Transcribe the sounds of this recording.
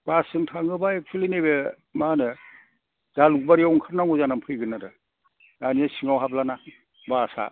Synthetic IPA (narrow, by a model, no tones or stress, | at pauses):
b̥asɯŋtʰaŋɯbaek̚t͡ʃʰualinebe | manɯ | daluk̚baɾijawɔŋkʰaɾ̚naŋɔzanampʰɯjɡɯnːaɾɯ | anijasiŋawɦablana | basa̰